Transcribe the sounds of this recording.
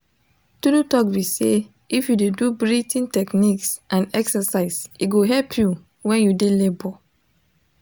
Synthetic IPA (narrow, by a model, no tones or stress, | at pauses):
tunutɔkwise | ifjudedubɹitʰĩntɛkniksʔãnɛksasaɪsiɡoɦɛlpʰju | wɛ̃njudelebɔ